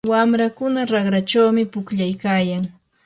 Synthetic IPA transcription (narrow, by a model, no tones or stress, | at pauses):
wamɾakʊnaɾɑɢɾat͡ʃawmɪpʊkʎajkaːjaŋ